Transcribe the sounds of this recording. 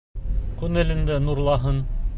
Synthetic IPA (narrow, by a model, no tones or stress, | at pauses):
kʉnɘ̆lɘ̆nd̪ɘnuɾlˠɑɦɤn